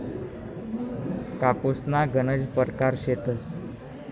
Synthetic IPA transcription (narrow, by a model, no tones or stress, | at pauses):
kaposnaɡənəd͡ʑpəɾkaɾɕet̪əs